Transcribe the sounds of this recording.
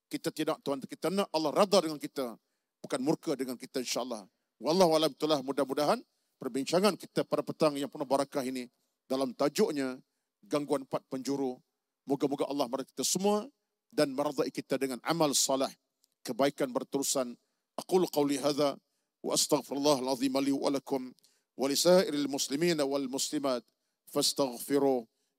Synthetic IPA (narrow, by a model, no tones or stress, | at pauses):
kit̪at̪idak̚t̪uant̪kit̪anaʔɑlːɑhrad̪adəŋankit̪a | b̥ukanmurkadəŋankit̪ainʃaʔəlːɑh | wɑlːɑɦualamt̪ulahmudahmudaɦan | pərbiɲt͡ʃaŋankit̪apadapət̪aŋjaŋpərnahbaɾakaɦini | dalamt̪ad͡ʒʊʔɲa | ɡaŋɡuanmpat̪̚pəɲd͡ʒuɾu | muɡamuɡaʔɑlːɑhməɾat̪̚ki̥t̪asəmua | danməɾad̪aʔikit̪adəŋanʔa̰maləsˤːɑlɪh | kəbaikanbərt̪əɾusan | ʔaqulqɑwliɦaːða | wa̰ʔast̪aɣfɪɾalːaːɦalɑðˤiːmaliwa̰lakʊm | wʔalisaːʔɪɾalmʊslimiːnawalmʊslimaːt̪̚ | fast̪aɣfɪɾuh